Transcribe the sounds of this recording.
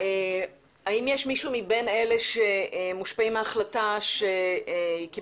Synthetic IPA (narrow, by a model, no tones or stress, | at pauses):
e | aimjeʃmiʃumibene̞leʃemuʃpaimaaχlataʃeiki